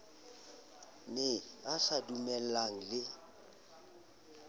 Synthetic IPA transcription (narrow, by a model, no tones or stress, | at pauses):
nɪasadumɛl̩aŋ̩lɪ